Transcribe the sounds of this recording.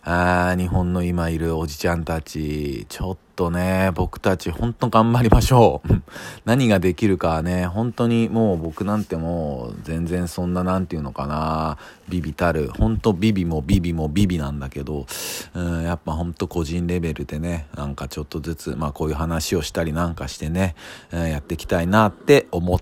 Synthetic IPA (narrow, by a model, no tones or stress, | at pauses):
aːɲ̟iɦõ̞nːo̞imaiɾɯ̟o̞ʑit͡ɕãnt̪at͡ɕit͡ɕo̞t̪ːo̞ne̞bo̞kɯ̟̥t̪at͡ɕihõ̞nt̪o̞ɡãmbaɾʲimaɕo̞ːɯ̟̃naɲ̟iɡad̪e̞kʲiɾɯ̟kane̞ɦõ̞nt̪o̞ɲ̟imo̞ːbo̞kɯ̟nãnt̪e̞mo̞zẽ̞nd͡zẽ̞ɰ̃sõ̞nːanãnt̪eɯ̟no̞kana | bʲibʲit̪aɾɯ̟hõ̞nt̪o̞bʲibʲimo̞bʲibʲimo̞bʲibʲinãnd̪ake̞d̪o̞ɯ̟̃japːaɦõ̞nt̪o̞ko̞ʑĩnɾe̞be̞ɾɯ̟d̪e̞ne̞nãŋkat͡ɕo̞t̪ːo̞zɨt͡sɨmaːko̞ːjɯ̟ːɦanaɕio̞ɕi̥t̪aɾʲinãŋkaɕi̥t̪e̞ne̞ɯjat̪ːe̞kʲi̥t̪ainat̪ːe̞o̞mo̞